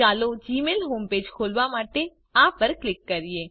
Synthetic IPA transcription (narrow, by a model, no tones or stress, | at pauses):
alod͡ʒimelɦomped͡ʒkʰolʋamaʈe | apəɾklɪkːəɾije